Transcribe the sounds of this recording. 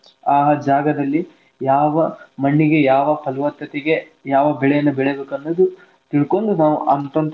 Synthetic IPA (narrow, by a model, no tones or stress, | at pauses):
aːɦɐd͡ʒaːɡɐd̪ɐlːi | jaːʋɐmɐɳːiɡe̞jaːʋɐpʰɐlʋɐt̪ːɐt̪ɛɡe̞ | jaːʋɐbɛɭejɐnːɐbɛɭebeːkɐnːoːd̪u | t̪iɭko̞nd̪unaːʋuʔɐnt̪ont̪